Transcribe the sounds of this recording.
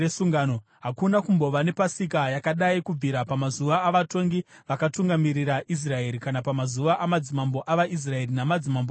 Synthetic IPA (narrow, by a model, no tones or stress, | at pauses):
esuŋɡano | ɦakunakumbo̞ʋane̞pasikajakaɗaikub͡viɾapamazuʋaːʋato̞ŋɡiʋakatuŋɡamiɾiɾaʔis̬rae̞ɾikanapamazuʋaʔamad͡zimambo̞ʔaʋaʔis̬rae̞rinamad͡zimambo